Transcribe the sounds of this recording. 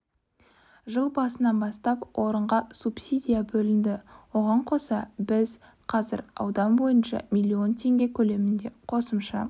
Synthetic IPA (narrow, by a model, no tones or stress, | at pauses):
ʒəlˠbɑsənɑnbɑst̪ɑpwʔo̞ɾəɴʁɑsupsʲid̪ijabɵlɪnd̪ɪwo̞ʁɑɴqʰo̞sɑbɪz | qʰɑzɪ̰ɾɑ̰wd̪ɑnbo̞jənʃɑ̰mʲijlʲːio̞nt̪ʰe̞ŋɡʲe̞kʲʰɵle̞mɪnd̪e̞qʰo̞səmʃɑ̰